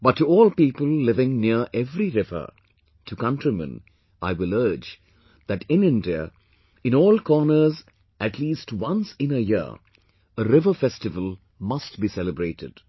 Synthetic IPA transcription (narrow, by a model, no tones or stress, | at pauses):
b̥ʌtʰːuɔːlˠpiːpəlˠlɪvɪ̃ŋniəʔɛvɾiɾɪvə̰˞ | tʰukʌ̃ntɹimə̰̃n | ʔaɪwɪlɜːd͡ʒ | ð̥æʈɪ̃nɪ̃ndiə̰ | ɨ̃nɔːlkʰɔːnə˞z | ʔæʈʰliːstwʌ̃nsɪ̃nəjɪə̰ | əɾɪvəfɛstɨvəlˠ | mʌst̚bisɛləbɾeɪtɪ̰d̥